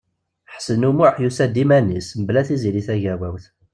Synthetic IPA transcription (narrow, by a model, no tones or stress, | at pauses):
ħsənumʊʕħjusæd̪imænisməblæθiziliθæʝæwæwθ